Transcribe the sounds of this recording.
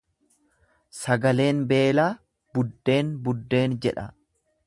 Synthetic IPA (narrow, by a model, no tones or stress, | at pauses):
sɐɡɐle̞ːnbe̞ːlaː | b̥ʊd̪ːe̞ːnbʊd̪ːe̞ːnd͡ʒɛᶑɐ